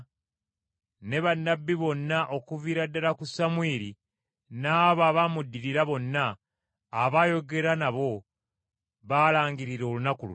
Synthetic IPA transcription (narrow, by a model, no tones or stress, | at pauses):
ne̞βanːabːiβo̞nːaʔo̞kuviɾadːalakusamwiːɾi | naːβaːβamudːiɾiɾaβo̞nːaː | βaːjo̞ɡe̞ɾanaβo̞ | βaːlaːŋɡiɾiɾo̞lunakulṵ